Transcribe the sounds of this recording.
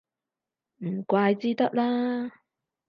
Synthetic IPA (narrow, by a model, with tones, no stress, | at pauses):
m̩˨˩kʷaː˧jt͡siː˥t̪ɐ˥k̚laː˥